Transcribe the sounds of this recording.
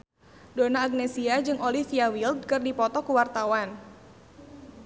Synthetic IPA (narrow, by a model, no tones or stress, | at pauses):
donaːɡ̚nesiad͡ʒɨŋolifiawild̚kɨrdipɔt̪ɔkuwart̪awan